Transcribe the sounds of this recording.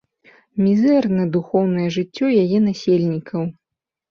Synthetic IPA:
mʲizɛrnɐd̪uxɔwnɐjɐʐɨt͡sʲːɔjajɛn̪asʲelʲnʲikʰɐw

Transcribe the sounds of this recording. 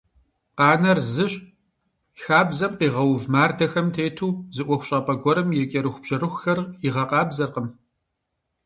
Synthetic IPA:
qɑːnɐrzɨɕʼ | xaːbzɐmqiːʁɐwvmaːrdɐxɐmtʰeːtʰuːzɨʔʷɔxʷʊɕʼɐpʼɐɡʷɔɾɨmjɛkʲʼɐɾɨxʷʊb̥ʑ̥ɐɾɨxxɐriʁɐqɑːbzɐrqəm

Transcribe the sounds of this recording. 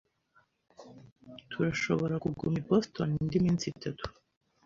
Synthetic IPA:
t̪ʰuɾaʃo̞βo̞ɾakuɡumibost̪onind̪imint͡sit̪ʰat̪u̥

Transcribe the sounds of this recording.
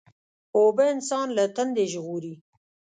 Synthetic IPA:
obəɪnsɑnlat̪and̪eʒɣuɾi

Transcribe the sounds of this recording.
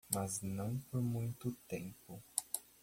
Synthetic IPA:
mɐznɐ̃w̃poɾmũj̃t̪ʊt̪ẽmpʊ

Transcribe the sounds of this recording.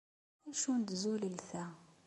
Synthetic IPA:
æʃund̪zuləlθæ

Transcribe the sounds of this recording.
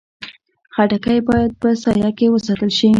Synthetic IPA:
xaʈakajbɑjad̪̚pəsɑjɑkewəsɑt̪əlʃi

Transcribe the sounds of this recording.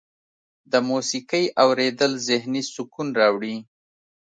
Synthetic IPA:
d̪əmusikəjʔawɾed̪əlzɪhnisʊkunɾɑwɽi

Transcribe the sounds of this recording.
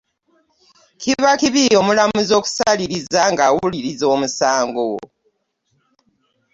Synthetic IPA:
kiβakiβijo̞ːmulamuzo̞ːku̥saliɾizaŋɡawuliɾizo̞ːmusaːŋɡo̞

